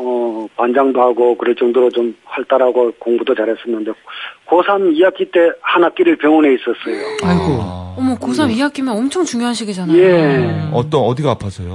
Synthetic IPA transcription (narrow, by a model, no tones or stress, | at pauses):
ʌpand͡ʑaŋdoɦaɡokɯɾʌɭt͡ɕ͈ʌŋdoɾot͡ɕomhaɭt͈aɾaɡokoŋbudot͡ɕaɾɦes͈ʌnːɯnde̞kosʰamiak͈ʰit͈e̞hanak͈iɾɯɭpjʌŋone̞is͈ʌs͈ʌjoaɡoʌmʌkosʰamijak͈imjʌnʌmt͡ɕʰoŋt͡ɕuŋjoɦanɕʰiɡid͡ʑanaeʌt͈ʌʌdiɡaapʰasʰʌjo